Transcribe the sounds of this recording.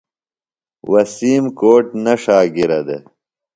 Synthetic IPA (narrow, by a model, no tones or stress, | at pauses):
wɐsiːmkoːʈnɐʂaːɡiɾɐd̪ḛ